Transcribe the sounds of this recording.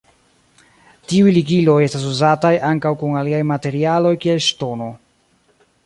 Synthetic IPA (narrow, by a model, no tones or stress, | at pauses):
tiujliɡilo̞je̞stas̬uzatajaŋkawkuŋaliajmate̞ɾialo̞jkie̞lʃto̞no̞